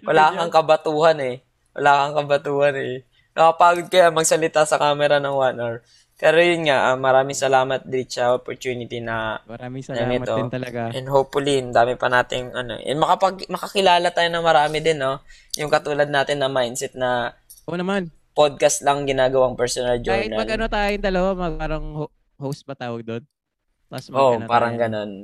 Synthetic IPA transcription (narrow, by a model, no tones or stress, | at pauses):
wɐlaːkɐŋkɐbɐt̪uːhɐnɛ | wɐ̰laːkɐŋkɐbɐt̪uːhɐnɛ | nɐkɐpaːɡod̪̚kɐjamɐɡsɐlɪt̪asɐkaːmɛɾɐnɐŋwanɛɹ | pɛːɾo̞jʊnŋaʔɐmɐɾaːmɪŋsɐlaːmɐt̪̚d̪ɾit͡ʃɐʔopoɹt̪juːnɪt̪inɐ | nɐŋɛt̪oʔɛnɦopfʊlind̪aːmɪpɐnaːt̪ɪŋʔɐno̞̰ʔɛ̰mɐkɐpɐɡmɐkɐkɪlaːlɐt̪aːjonɐmɐɾaːmɪd̪ɪnːo̞ | jʊŋkɐt̪uːlɐd̪̚naːt̪ɪnːɐmajnsɛt̪̚nɐ | ʔonɐman | pod̪̚kɐst̪lɐŋɡɪnaːɡɐwaŋpɛɹsonɐld͡ʒonɐmɐlɡɐnot̪aːjʊŋd̪ɐlɐwamɐaːɾɐŋ | howspɐt̪aːwɐɡ̚d̪on | ʔoʔpaːɾɐŋɡɐno̞n